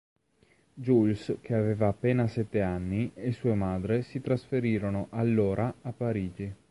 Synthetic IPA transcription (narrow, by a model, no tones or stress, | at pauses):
d͡ʒulskʰeaveːvaːpːeːnasɛt̪ːeanːiesuːemaːd̪ɾesit̪ɾasfeɾiːɾonoʔalːoːɾʔaapːaɾiːd͡ʒi